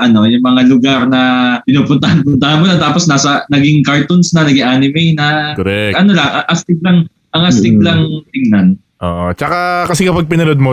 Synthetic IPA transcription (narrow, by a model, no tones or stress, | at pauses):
ʔɐno̞jʊŋmɐŋalʊɡaɾnɐpɪnuːpʊnt̪ɐhɐnpʊnt̪ɐhɐnmonɐt̪aːposnaːsɐnɐɡɪŋkaɹt̪onsnɐnɐɡɪŋʔaːnɪmɛjnɐkoɾɛʔɐno̞lɐŋʔɐŋʔɐst̪ɪɡ̚lɐŋ | ʔɐŋʔɐst̪ɪɡ̚lɐŋt̪ɪŋnan | ʔo̰ːʔot͡ʃɐkakɐsɛkɐpaɡ̚pɪnɐnod̪̚mo